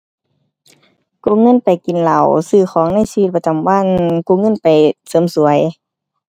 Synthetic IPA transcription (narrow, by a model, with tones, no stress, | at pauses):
ku˧˥˨ŋɤ˧˥˨npa˨jki˨nla˨˧˩wsɯː˧˩xɔː˨˦ŋna˧˥˨jsi˧t̪̚pa˧t͡ɕa˨˩mwa˧˥˨nku˧˦ŋɤ˧˥˨npa˨˩jsɤː˨˧˦msu˨˩˦əj